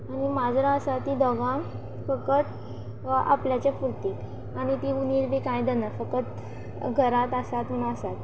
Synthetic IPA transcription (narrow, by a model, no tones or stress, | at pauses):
aɽimad͡zɾaəsat̪ːid̪ɔɡã | fəkət̪ | a̰pljat͡ɕafuɾt̪it̪ | anit̪iuniɾbikãjd̪ənafəkət̪ | ɡʱəɾat̪əsat̪m̤əɳũəsat̪